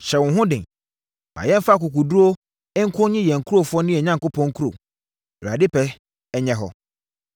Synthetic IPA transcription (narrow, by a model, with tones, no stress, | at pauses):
ɕɛ˨wʊ̃˨ɦʊ̃˦dɪ̃˨ | mã̰˨jɛ̃˦m˦fa˦˨kʊ˨ku˨du˦o˦ | ɪ˦ŋ̩˦kʰʊ˦ɲɪ̃˦jɛ̃˨ŋ̩˨kʰu˦o˨fʊ˦ɔ˦nɪ̃˦ɛ˨ɲã˦ŋ˨ko˦pʰɔ̃˦ŋ̩˦kʰu˦ɾo̰˨ | ʊ˨ɾa˨dɪ˦pɛ˦ | ɛ˦ɲɛ̃˦ɦɔ˨